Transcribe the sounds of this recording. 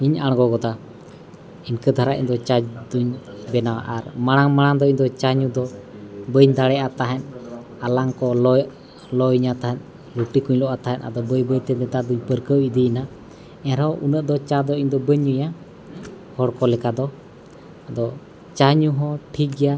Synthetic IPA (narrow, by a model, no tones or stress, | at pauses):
iɲaɽ̃ɡɔɡɔt̪a | inkəd̪ʱaɾaʔḭɲd̪ɔt͡ʃad͡ʒd̪uɲbɛnawa̰ʔaɾmaɽ̃aŋmaɽ̃aŋd̪ɔiɲd̪ɔt͡ʃaɲud̪ɔbəɲd̪aɽɛat̪aɦɛn | alaŋkɔlɔ | lɔjɲat̪aɦɛn | luʈikuɲlɔʔat̪aɦɛnʔa̰d̪ɔbəjbəjt̪ɛnɛt̪ad̪uɲpəɾkəwid̪ina | ɛ̃ɾɔʔunəʔd̪ɔt͡ʃad̪ɔiɲd̪ɔbəɲːuja | hɔɽkɔlɛkad̪ɔ | ad̪ɔ | t͡ʃaɲuɦɔ̃ʈʰik̚ɡɛja